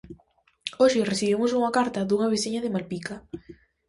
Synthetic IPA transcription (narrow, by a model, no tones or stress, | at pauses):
oʃɪresiβemʊsuŋɐkaɾt̪ɐðuŋɐβ̞esiɲɐðɪmalpika